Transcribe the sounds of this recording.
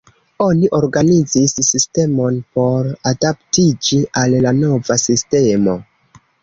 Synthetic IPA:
o̞niʔo̞ɾɡanizisːiste̞mo̞npo̞ɾadaptid͡ʒiʔalːano̞vasiste̞mo̞

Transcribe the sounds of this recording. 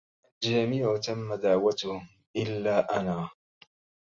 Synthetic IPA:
d͡ʒɪamijawat̪amːad̪aʕwat̪ʊh | ʔɪlːaːʔanaː

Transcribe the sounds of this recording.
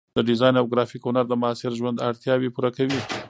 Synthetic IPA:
d̪̥əɖɪzɑjnawɡɾɑfikʊnaɾd̪əmaɑːsɪɾʒwand̪aɽt̪jɑwepuɾakawi

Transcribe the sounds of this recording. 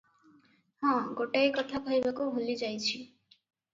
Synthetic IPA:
hɔ̃ɡoʈajkɔt̪ʰakʰɔjbakuɦolid͡ʒajt͡ɕʰi

